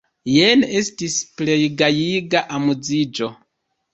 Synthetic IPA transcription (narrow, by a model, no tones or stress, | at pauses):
jene̞stisple̞jɡajiɡaʔamud͡zid͡ʒo̞